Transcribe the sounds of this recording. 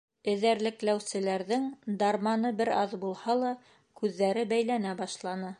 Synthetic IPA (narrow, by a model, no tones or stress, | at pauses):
ɘ̆ðæɾlɘ̆klæwsɘ̆læɾðɘŋd̪ɑɾmɑnɤbɘɾɑðbulˠhɑlˠɑ | kʉðːæɾɘbæjlænæbɑʃlˠɑnɤ